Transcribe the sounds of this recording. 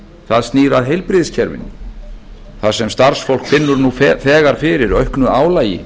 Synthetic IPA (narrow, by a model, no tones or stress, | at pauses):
θaðst̪niːɾaðɦejlpɾɪðscʰɛɾvɪ̰n | θaðsɛmst̪aɾ̥sfol̥kfɪnːʏɾnufθɛːɣaɾ̥fɪɾɪɾœɥhknʏaːwlaːjɪ̰